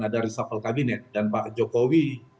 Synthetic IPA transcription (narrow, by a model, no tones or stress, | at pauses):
adaɾisafalkabinɛt̪̚danpaʔd͡ʒokowi